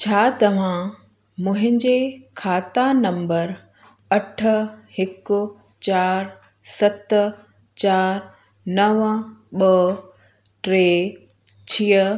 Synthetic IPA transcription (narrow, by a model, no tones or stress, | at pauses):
t͡ɕʰaːt̪ɐʋ̤ã | mʊ̃ɦɪ̃ɲd͡ʑekʰaːt̪anɐ̃mbəɾ | ɐʈ̆ʰhɪkʊ̆ | t͡ɕaːɾ | sɐt̪ | t͡ɕaːɾ | nɐʋɓə | ʈɾeː | t͡ɕʰiːə